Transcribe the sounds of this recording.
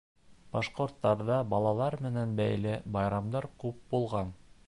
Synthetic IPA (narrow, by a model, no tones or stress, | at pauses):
b̥ɑʃqŏɾt̪ːɑɾðɑbɑlˠɑlˠɑɾmɘ̆nænbæjlɘbɑjɾɑmd̪ɑɾkʉp̚bulˠʁɑn